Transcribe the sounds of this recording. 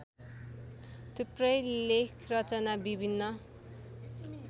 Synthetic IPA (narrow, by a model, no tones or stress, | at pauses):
t̪uprʌjlekʰrʌt͡sʌnabibʱinːʌ